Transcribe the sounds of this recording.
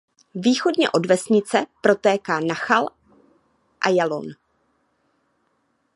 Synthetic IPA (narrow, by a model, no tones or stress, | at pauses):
viːxo̞dɲɛ̰ʔo̞dvɛsɲɪt͡sɛpɾo̞t̪ɛːkaːnaxal | ʔajalo̰n